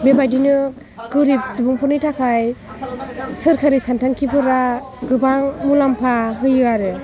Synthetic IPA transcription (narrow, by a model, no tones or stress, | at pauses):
bebajdinɯ | ɡɯɾip̚sibuŋpʰɔnɯjtʰakʰaj | sɯɾkʰaɾisantʰaŋkʰipɯɾa | ɡɯbaŋmulampʰaɦɯjɯaɾɯ